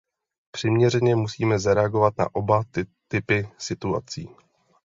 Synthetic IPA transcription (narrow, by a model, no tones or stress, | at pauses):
pr̝̥ɪmɲɛrɛɲɛmusiːmɛzaɾɛaɡo̞vat̪na̰ʔo̞bat̪ɪpɪsɪt̪ua̰t͡sḭː